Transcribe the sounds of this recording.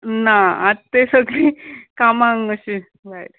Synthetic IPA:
naadt̪esəɡlikamãŋəɕi | ɾajʈ

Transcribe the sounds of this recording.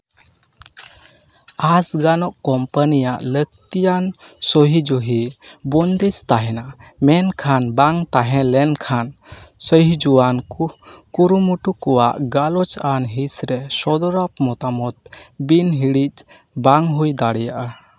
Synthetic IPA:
asɡanɔʔkɔmpanijaʔlək̚t̪ijansɔɦid͡ʒuɦibɔnd̪ist̪aɦɛnamɛnkʰanbaŋt̪aɦɛ̃lɛnkʰansəɦid͡ʒuwankukuɾumuʈukɔwaʔɡalɔt͡ʃanɦisɾɛsɔd̪ɔɾap̚mɔt̪amɔt̪̚binɦiɽit͡ʃ | baŋɦujd̪aɽɛjaʔa

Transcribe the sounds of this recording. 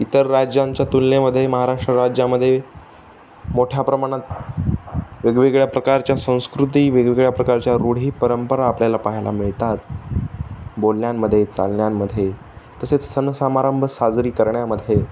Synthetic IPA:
it̪əɾːad͡ʑaɲt͡ɕjat̪ulːeməd̪ʱːjeməɦaɾaʂʈɾəɾad͡ʑaməd̪ʱːje | moʈʰjapɾəmaɽ̃at̪̚ | ʋeɡʋiɡɭjapɾəkaɾt͡ɕjasə̃w̃skɾut̪̬iːʋeɡʋiɡɭjapɾəkaɾt͡ɕjaɾuɽ̤iːpəɾəmpəɾaːpljalapaɦila̰miɭt̪at̪̚ | bolɳjamːəd̪ʱːjet͡sa̰lɳjamːəd̪ʱːje | t̪əset͡ssənsəmaɾəmbʱəsad͡zɾiːkəɾɳjaməd̪ʱje

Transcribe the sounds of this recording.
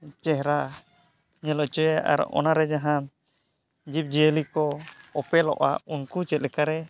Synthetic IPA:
t͡ʃɛɦɾa | ɲɛlɔt͡ʃɔjaʔa̰ɾʔɔ̰naɾɛd͡ʒaɦã | d͡ʒip̚d͡ʒiəlikɔɔpɛlɔ̰ʔa̰unkut͡ʃɛt̪̚lɛkaɾɛ

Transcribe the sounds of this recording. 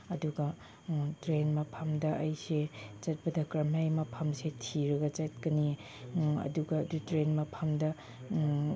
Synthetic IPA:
ɐduɡɐ | tɾenmɐpʰɐmdɐʔɐjset͡ʃɐt̚pɐdɐkɾɐmajmɐpʰɐmsetʰiɾɐɡɐt͡ʃɐt̚kɐni | ɐ̰duɡɐːdutɾenmɐpʰɐmdɐ

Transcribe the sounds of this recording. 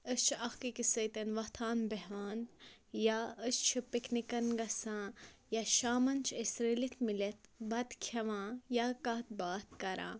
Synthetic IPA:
əst͡ʃʰɐxkikisɐjt̪ɐnʋɐt̪ʰaːnbɐɦʋaːn | jaəst͡ʃʰipiknikɐnɡɐsãːjaʃaːmɐnt͡ʃʰɐsɾeːlit̪ʰmilɐt̪bɐd̪kʰɐʋãːjakɐt̪̚baːt̪̚kɐɾʔã̰ː

